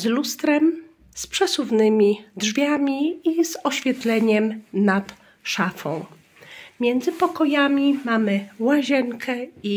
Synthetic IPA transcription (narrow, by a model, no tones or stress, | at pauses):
zlust̪ɾɛm | spʂɛsuvnɘmʲidʐvʲjamʲiizɔɕfʲjɛt̪lɛɲɛmnat̪ | ʂafɔ̃w̃ | mʲjɛnd̪zɘpɔkɔjamʲimamɘwaʑɛŋkʰɛi